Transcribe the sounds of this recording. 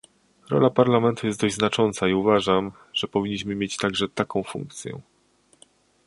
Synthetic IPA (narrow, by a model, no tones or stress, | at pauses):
ɾɔ̰lapaɾlamɛnt̪ujɛsd̪ɔʑʲznat͡ʂɔnt̪saiuvaʐam | ʐ̥ɛpɔvʲiɲːiɕmɘmʲjet͡ɕt̪aɡʐɛt̪akɔ̃w̃fṵŋk̚t̪sʲjɛ̰